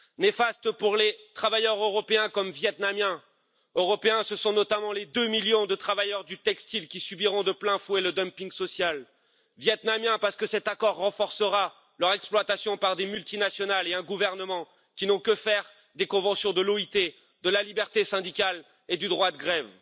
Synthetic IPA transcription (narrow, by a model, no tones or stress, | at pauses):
nefast̪əpuʁlet̪χavajœʁøʁɔpeɛ̃kɔmvjɛt̪namjɛ̃ | øʁɔpeɛ̃səsɔ̃nɔt̪amɑ̃led̪ømiljɔ̃d̪ət̪χavajœʁd̪yt̪ɛkst̪ilkʲisybiʁɔ̃d̪əplɛ̃fweləd̪ɔmpiŋɡsɔsjal | vjɛt̪namjɛ̃paʁsə̥kəsɛt̪akɔʁːɑ̃fɔʁsəʁa | lœʁɛksplwat̪asjɔ̃paʁd̪emylt̪inasjɔnaleɛ̃ɡuvɛʁnəmɑ̃ | kʲinɔ̃kəfɛʁ | d̪ekɔ̃vɑ̃sjɔ̃d̪əloit̪e | d̪əlalibɛʁt̪esɛ̃d̪ikʲal | ed̪yd̪ʁwad̪əɡʁɛv